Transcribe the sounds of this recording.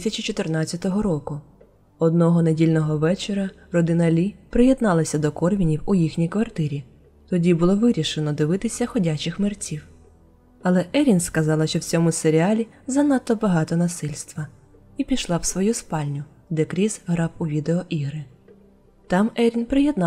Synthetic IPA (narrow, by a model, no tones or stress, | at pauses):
sʲɐt͡ʃit͡ʃɔt̪ɪrnɑt͡sʲt͡sʲːɐt̪ɔɦɔɾɔkʊ | ɔd̪nɔɦɔnedʲilʲnɔɦɔʋɛt͡ʃeɾɐrɔd̪ɪnɐlʲipɾɪjed̪nɑlˠɐsʲɐd̪ɔkɔrʋʲinʲiwʊjixnʲijkʋɐrt̪ɪɾʲi | t̪ɔdʲibʊlˠɔʋɪɾʲiʃenɔd̪ɪʋɪt̪ɪsʲɐxɔdʲat͡ʃɪxmɪrt͡sʲiw | ɐlˠɛʔɛɾʲinskɐzɑlˠɐʃt͡ʃɔwt͡sʲɔmʊseɾʲɪɑlʲizɐnɑt̪ːɔbɐɦɑt̪ɔnɐsɪlʲst̪ʋɐ | ipʲiʃlˠɑwsʋɔjuspɑlʲnʲʊ | d̪ɛkɾʲizɦɾɑwʊʋʲid̪eɔʔiɦɾɪ | t̪ɑmɛɾʲinpɾɪjed̪n